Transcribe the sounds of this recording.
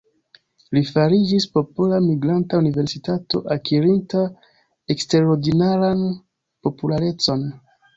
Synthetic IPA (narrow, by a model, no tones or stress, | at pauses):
lifaɾid͡ʒispo̞polamiɡɾantaunive̞ɾsitato̞ʔakiɾinta | ekste̞ɾo̞ɾdinaɾan | po̞pulaɾe̞t͡so̞n